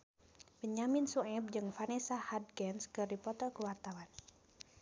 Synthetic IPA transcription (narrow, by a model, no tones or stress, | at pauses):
pəɲaminsuɛb̚d͡ʒɨŋfanɛsahad̚ɡɛnskɨrdipɔt̪ɔkuwart̪awan